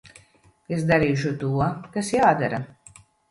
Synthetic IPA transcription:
esd̪aɾiːʃ̬ut̪uɔkasjaːd̪aɾa

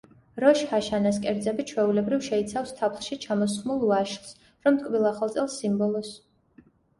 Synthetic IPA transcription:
ɾɔʃhaʃanaskʼɛɾd̪zɛbit͡ʃʰwɛulɛbɾivʃɛit̪sʰafst̪ʰapʰlʃit͡ʃʰamɔsχmulˠvaʃls | ɾɔmt̪ʼkʼvilˠaχalˠt̪sʼɛlˠsimbɔlˠɔs

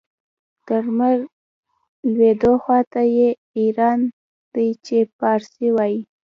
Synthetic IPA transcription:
d̪̥əʐmaɾ | lwed̪oxwɑt̪aje | iɾɑn | d̪̥ajt͡ʃepɑɾsiwɑji

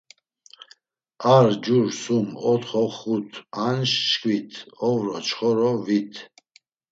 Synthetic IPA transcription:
aɾd͡ʒuɾsumɔt̪χɔχut̪ʰanʃʃkʼwit̪ʰɔvɾɔt͡ʃχɔɾɔvit̪ʰ

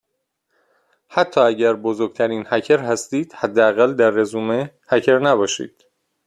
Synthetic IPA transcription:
hæt̪ʰːɒːæɟæɾbozoɾɡ̚t̪ʰæɾiːnhæcʰeɾhæst̪iːd̪̥hæd̪ːeæɣæld̪æɾːezuːme | hæcʰeɾnæbɒːʃḭːd̪̥

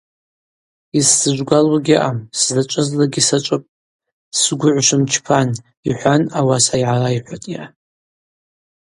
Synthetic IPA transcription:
isːɨʒʷɡʷalwaɡʲiʔamszat͡ʃʷʼɨzlaɡʲisat͡ʃʷʼɨpʼ | sɡʷʊʕʷʃʷɨmt͡ʃʰpʰan | iħʷanawasaiʕaraiħʷatʼja

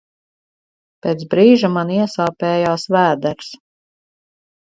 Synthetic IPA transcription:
pʲeːt̪bɾiːʒamaniɛsaːpɛːjaːsvæːd̪ɛɾs

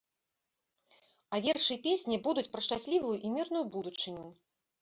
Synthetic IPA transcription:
avʲerʂɨjpʲesʲnʲibud̪ut͡sʲpɾɐʂt͡ʂasʲlʲivujuʔimʲirn̪ujubud̪ut͡ʂɨnʲu

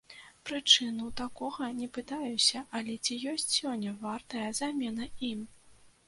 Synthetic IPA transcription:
pɾɨt͡ʂɨnuwt̪akɔɣɐnʲɛpɨt̪ajusʲɐʔɐlʲɛt͡sʲijɔsʲt͡sʲsʲɔnʲːɐvart̪ɐjɐzamʲɛnɐim

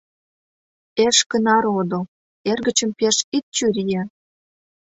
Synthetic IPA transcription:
eʃkə̆nɑɾod̪ŏ | erɣə̆t͡ɕə̆mpeʃit̪̚t͡ɕyɾʲije

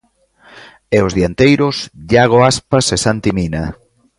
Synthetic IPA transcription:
ɛozðiant̪ejɾʊsʎaɣoaspasesant̪imina

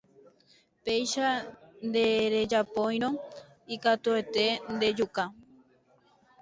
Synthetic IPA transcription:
pejʃand̪eɾe̞d͡ʒapõj̃ɾ̃õ | ikat̪uet̪e̞nd̪e̞d͡ʒuka

